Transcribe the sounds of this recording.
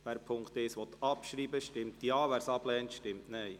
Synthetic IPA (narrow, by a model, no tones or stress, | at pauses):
ʋæːɾpʰʊŋkt̪ɪsʋɔt̪ɑpʃɾiːbəʃtɪmt̪jɑːʋæːɾsɑb̥lɛːntʃtɪmtnɛj